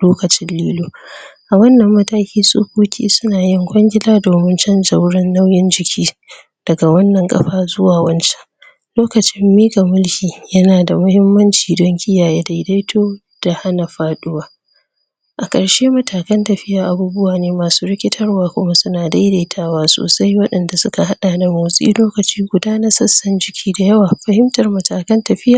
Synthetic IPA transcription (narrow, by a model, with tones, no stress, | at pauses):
loː˦kɐ˨t͡ʃɪ˦nliː˦loː˦ʔa˨wɐ˦nːɐ˨mːɐ˦taː˦kʲiː˦sʼo̰ː˦koː˦kʲʰḭː˦sʊ˦naː˨jɪ˦ŋkʷʼɔ˦ŋɡʲɪ˦laː˦doː˨mɪ˦nt͡ʃɐ˦nd͡ʒɐ˦wɽɪ˦nːa˦wjɪ˦nd͡ʒɪ˨kʲʰiː˦ | d̥ɐ˨ɡa˨wɐ˦nːɐ˨ŋkʼɐ̰˦ɸaː˦˨zʊ˦waː˨wɐ˦nt͡ʃɛ̥˦ʔ | loː˦kɐ˨t͡ʃɪ˦mːiː˦ɡa˨mʊ˦lkʲiː˨jɐ˦naː˨da˨mʊ˦hɪ˦mːɐ˦nt͡ʃiː˨dɔ˦ŋkʲʼɪ˦jaː˨jeː˦da˨jda˦jtʰoː˦ | d̥a˨ha˦na˨ɸaː˦ɗʊ˦waː˦ | ʔa˨kʼɐ˨ɽʃe˦mɐ˦taː˨kɐ˦ntɐ˨ɸɪ˦jaː˨ʔa˨buː˦bʊ˦waː˨neː˦maː˨suː˦ɾɪ˦kʲɪ˦tʰɐ˦rwaː˦kʷʊ˦ma˦sʊ˦naː˨da˦jda˨jtʰaː˦waː˦so̰ː˨sa˦jwɐ˦ɗɐ˨nda˨sʊ˦ka˨ha˦ɗaː˨da˨muː˨sʼḭː˦loː˦kɐ˨t͡ʃiː˦ɡʷʊ˨daː˦na˦sɐ˦sːɐ˦nd͡ʒɪ˨kʲiː˦da˨jɐ˦waː˨ɸɐ˦hɪ˦mtɐ˨rmɐ˨taː˨kɐ˦ntɐ˨ɸɪ˦jaː˨